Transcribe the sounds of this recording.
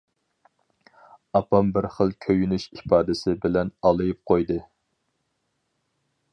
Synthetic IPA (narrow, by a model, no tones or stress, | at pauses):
ɑpɑmbɪɾχəlˠkʲʰøjynyʃipɑːd̪ɪsɪbɪlɛnɑlˠɨjɨp̚qʰojd̪ɨ